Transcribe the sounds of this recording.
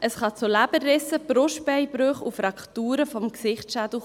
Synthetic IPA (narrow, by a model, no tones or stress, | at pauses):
ʔəsχɑt͡sʊlæb̥ərɪsəb̥ɾʊʃtpɛɪbɾøχufɾɑkχtuːɾəfɔmksɪχtʃæd̥l̩